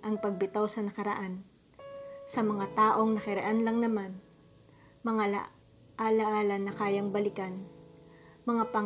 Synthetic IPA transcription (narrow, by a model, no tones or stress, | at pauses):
ʔɐŋpɐɡ̚bɪt̪awsɐnɐkɐɾɐ̰ʔan | sɐmɐŋat̪aːʔo̞ŋnɐkɪɾɛʔanlɐŋnɐman | mɐŋal̰ | ʔalɐʔaːlɐnːɐkaːjɐŋbɐlɪkan | mɐŋapɐ